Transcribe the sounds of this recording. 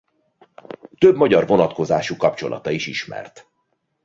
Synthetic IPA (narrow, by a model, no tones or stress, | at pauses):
t̪øbmɒɟɒrvo̞nɒt̪ko̞zaːʃukɒpt͡ʃo̞̰lʔɒ̰t̪ɒiʃiʃmɛ̰rt̪